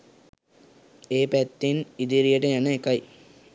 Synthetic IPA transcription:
eːpæt̪ːenid̪iɾijəʈəjanəekaj

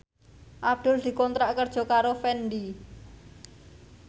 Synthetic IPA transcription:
ʔab̚d̪̥ʊ̤ld̪̥i̤kɔnt̪ɾaʔkərd̥ʒ̥ɔ̤kaɾofɛnd̪i

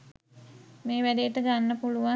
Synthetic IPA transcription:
meːʋædejːʈəɡanːəpuluʋa

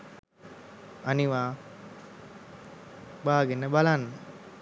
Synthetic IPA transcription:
aniʋaː | baːɡenːəbalanːə

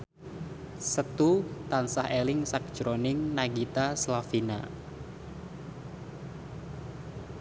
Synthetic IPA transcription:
sət̪ut̪ansahelɪŋsak̚d̥ʒ̥ɾonɪŋnaɡit̪aslafina̰

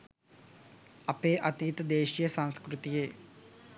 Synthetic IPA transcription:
ɐpeːʔɐt̪it̪ɐd̪eːʃijɐsãŋskɾut̪ijeː

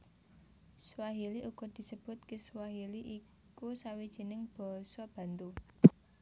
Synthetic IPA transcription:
swaɦiliʔuɡ̥ɔ̤d̪̥i̤səb̥ʊ̤t̪̚keswaɦiliʔi | kusawid̥ʒ̥i̤nɪŋb̥ɔ̤sɔb̥ä̤nt̪u

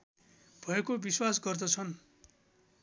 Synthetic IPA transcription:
b̥ʱʌekobiswasɡʌrd̪ʌt͡sʰʌn

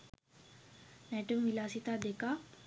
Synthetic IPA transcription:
nɛʈəmʋilaːsit̪aːd̪ekaː

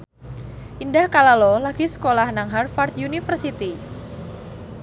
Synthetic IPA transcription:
ʔindahkalalɔlaɡ̥isə̥kolahnaŋɦarfart̪junifərsit̪i

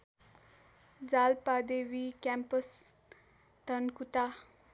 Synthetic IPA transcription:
d͡zalpad̪eʋikɛmpəs | t̪ənkut̪a

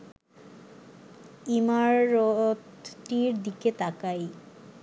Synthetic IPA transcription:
imaɾot̪ʈːiɾd̪iket̪akaj

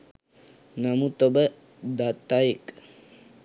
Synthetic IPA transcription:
namut̪obə | d̪at̪ːajek

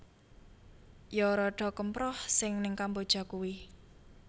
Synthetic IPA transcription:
jɔɾɔɖ̥ɔ̤kəmpɾɔhsɪŋnɪŋkambod̥ʒ̥a̤kuwi

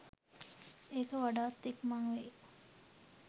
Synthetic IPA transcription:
eːkəʋaɖaːt̪ːekmaŋʋe

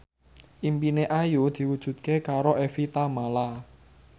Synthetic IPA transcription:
ʔimpineʔajud̪̥i̤wud̥ʒ̥ṳt̪̚kekaɾoʔɛfit̪amala

